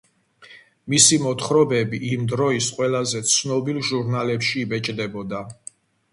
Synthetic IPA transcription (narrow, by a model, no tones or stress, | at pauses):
misimɔt̪ʰχɾɔbɛbiʔimd̪ɾɔisqʼwɛlazɛt̪sʰnɔbilˠʒuɾnalɛpʃiːbɛt͡ʃʼd̪ɛbɔd̪a